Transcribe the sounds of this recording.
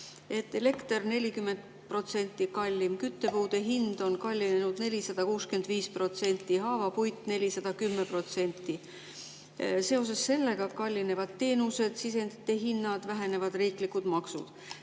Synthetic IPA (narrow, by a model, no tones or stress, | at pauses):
e̞t̪ːe̞le̞kt̪erne̞lʲikymːe̞nd̪̥ | pro̞t̪se̞nʲt̪ːˑikɑlʲːimkyt̪ːe̞puːd̪̥e̞ɦind̪̥o̞nkɑlʲːine̞nud̪̥ne̞lʲisɑd̪̥ɑkuːske̞nd̪̥viːspro̞t̪se̞nʲt̪ːiɦɑːvɑpujt̪ːˑne̞lʲisɑd̪̥ɑkymːepro̞t̪se̞nʲt̪ːˑi | se̞o̞s̬e̞sːe̞lːe̞ɡ̥ɑkɑlʲːine̞vɑd̪̥t̪ːe̞ːnuse̞d̪̥sise̞nd̪it̪ːˑe̞ɦinːɑd̪̥væɦe̞ne̞vɑd̪riːklikud̪mɑksṵd̪̥